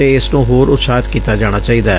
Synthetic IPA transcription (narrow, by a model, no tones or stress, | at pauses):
eːɪsnõːɦoːɾʊt̪saːt̪kiːt̪aːd͡ʒaːɽ̃aːt͡ʃaːiːd̪aːɛ̰